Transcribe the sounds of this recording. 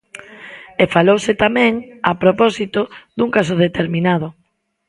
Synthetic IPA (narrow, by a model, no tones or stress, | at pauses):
efalowsɪt̪amɛ̃ŋapɾopɔsit̪oðuŋkas̬ʊðet̪eɾminað̞ʊ